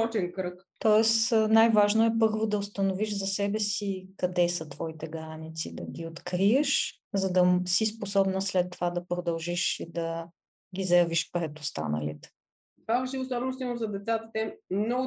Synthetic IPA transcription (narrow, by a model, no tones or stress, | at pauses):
ɔt͡ʃɛnkɾɤk | t̪ɔɛsnajvaʒnoɛpɤɾvod̪ɐost̪ɐnoviʃzɐsɛbɛsikɐd̪ɛsət̪v̥ɔit̪ɛɡɾanit̪sid̪ɐɡʲiot̪kɾiəʃ | zɐd̪ɐsisposɔbnəslɛt̪ːovad̪ɐpɾod̪ɐlˠʒiʃid̪ɐ | ɡʲizɐjɐviʃpɾɛt̪ost̪a̰nə̰lḭt̪ɛ̥ | t̪vavɛʃiosɔbɛnʊst̪iməmzɐd̪ɛt̪sat̪ət̪ɛmnɔɡʊ